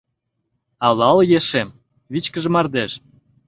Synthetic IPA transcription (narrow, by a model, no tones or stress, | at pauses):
ɑlɑljeʃem | βit͡ɕkə̆ʒə̆mɑrd̪eʃ